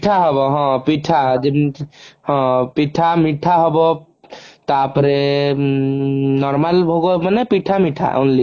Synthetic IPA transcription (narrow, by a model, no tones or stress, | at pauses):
ʈʰaɦɔbɔɦɔ̃piʈʰad͡ʒe | hɔ̃piʈʰamiʈʰaɦɔbɔ | t̪apɾe | nɔɾmalbʱoɡomanepiʈʰamiʈʰa̰ʔɔ̰nli